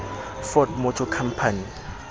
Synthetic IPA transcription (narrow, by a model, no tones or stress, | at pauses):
fɔt̚mɔt͡ʃʰɔkʰam̩pʰani